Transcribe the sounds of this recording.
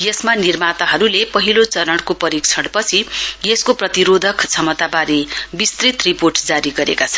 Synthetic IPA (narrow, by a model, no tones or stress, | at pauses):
jesmanirmat̪aɦʌɾulepʌɦilot͡sʌɾʌɽkopʌɾikt͡sʰʌɽpʌt͡sʰijeskoprʌt̪iɾod̪ʱʌkt͡sʰʌmʌt̪abaɾiebist̪rit̪riporʈd͡zaɾiɡʌɾḛkat͡sʰʌ̥n